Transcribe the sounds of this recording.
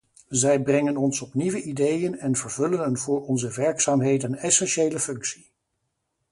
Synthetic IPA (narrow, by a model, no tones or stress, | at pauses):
zɛjbrɛŋənɔnsɔpniʋəʔidejənɛnvəɹvɵlənɦənvʊːɹɔnzəʋɛɹksaːmɦejdənɛsɛnʃejləfɵŋksi